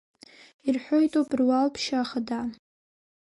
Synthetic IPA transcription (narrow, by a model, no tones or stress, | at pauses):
irħʷᶣojtʼowpʼrwalpʰʃaχada